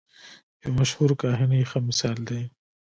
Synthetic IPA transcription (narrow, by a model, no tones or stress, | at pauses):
jemɐʃhuːɾkaːɦinixɐmɪsaːld̪eː